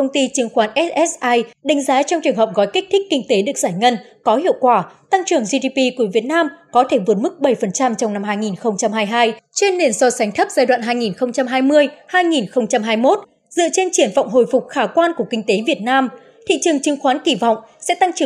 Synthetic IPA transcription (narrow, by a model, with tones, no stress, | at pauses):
kə˧wŋ͡mt̪i˧t͡ɕɨ˨˦əŋxwaː˨˦nʔɛ˦˥tʔɛ˦˥sʔaː˧jɗa˨˦ŋ̟zaː˨˦t͡ɕɔ˧wŋ͡mt͡ɕɨ˨˩əŋɦə˨˩p̚ɣɔ˨˦jkï̟˦˥t̪ʰï˦˥k̟̚kï˧ŋ̟t̪e˨˦ɗɨ˨˩ək̚zaː˧˩jŋə˧nkɔ˨˦hḭ˧˨əwkwaː˧˩t̪a˧ŋt͡ɕɨ˨˩əŋzi˧ɗi˧pi˧ku˧˩əvi˨˩ət̚naː˧mkɔ˨˦t̪ʰe˧˩vu˨˩ət̚mɨ˦˥k̚ɓə˧˩jfə˨˩nt͡ɕa˧mt͡ɕɔ˧wŋ͡mna˧mɦaː˧jŋi˨˩nxə˧wŋ͡mt͡ɕa˧mɦaː˧jɦaː˧jt͡ɕe˧nːe˨˩nsɔ˧sa˨˦ŋ̟t̪ʰə˦˥p̚z̥aː˧jɗwa̰ː˧˨nɦaː˧jŋi˨˩nxə˧wŋ͡mt͡ɕa˧mɦaː˧jmɨ˧əjhaː˧jŋi˨˩nxə˧wŋ͡mt͡ɕa˧mɦaː˧jmo˦˥t̚ | zɨ̰˧˨ət͡ɕe˧nt͡ɕi˧˩ənvɔ̰˧˨wŋ͡mɦo̰˧˨jfʊ˨˩k͡p̚xaː˧˩kwaː˧nku˧˩əkï˧ŋ̟t̪e˨˦vi˨˩ət̚naː˧m | t̪ʰḭ˧˨t͡ɕɨ˨˩əŋt͡ɕɨ˨˦ŋxwaː˨˦nki˧˩vɔ̰˧˨wŋ͡msɛ̰˧˥t̪a˧ŋt͡ɕɨ˧˩